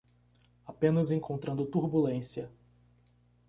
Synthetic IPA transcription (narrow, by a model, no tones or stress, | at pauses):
apẽnɐzẽŋkʰõnt̪ɾɐ̃nd̪ʊt̪uɾbulẽsjɐ